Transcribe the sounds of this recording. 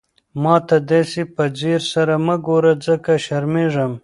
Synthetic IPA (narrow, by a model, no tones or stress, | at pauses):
mɑːt̪ad̪esipɐd͡ziːɾsɐɾaməɡoɾad͡zəkaʃɐɾmeːʐɐm